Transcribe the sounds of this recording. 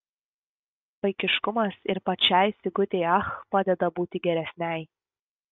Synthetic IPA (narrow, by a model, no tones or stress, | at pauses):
pɐɪkʲɪʃkʊmɐsɪɾpɐt͡ʃʲæɪsʲɪɡʊt̪ʲeɪɐxpɑd̪ʲɛd̪ɐbuːt̪ʲɪɡʲɛɾʲɛsʲnʲɛɪ